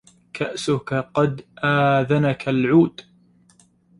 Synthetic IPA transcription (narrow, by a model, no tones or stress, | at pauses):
kʰaʔsʊkaqɑd̪ʔaːðanakʰalʕuːd̪